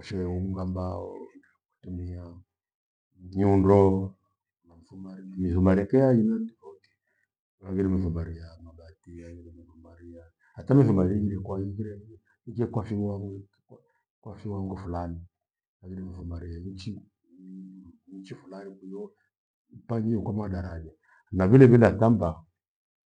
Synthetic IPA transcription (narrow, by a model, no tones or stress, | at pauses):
ɔʃɛumuŋɡambaɔ̰nd | ku̥tumia | ɲundɔ | unam̩ifumaɾimiðumalɛkɛjajinandikɔti̥ | laɡiɾɛmiθumbaɾijamaɓatilaɡiɾimiðumaɾija | hatamiθumaɾikiɾɛkwaikiɾɛ | ikɛkwafiwaŋɡ | k | kwafiwaŋɡɔfulani | akiɾɛmiθumaɾijant͡ʃi | ɲt͡ʃifulanibujɔ | ipaɲd͡ʒiukwamaɗaɾad͡ʒa | naβilɛβindatamba